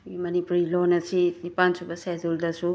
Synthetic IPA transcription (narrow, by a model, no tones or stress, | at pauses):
imɐnipuɾilonɐsinipansubɐseduldɐsu